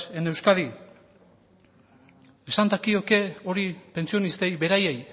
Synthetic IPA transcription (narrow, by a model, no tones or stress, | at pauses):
ene̞wskaði | esand̪akio̞ke̞o̞ɾipe̞nt͡sio̞nist̪e̞jβe̞ɾaje̞j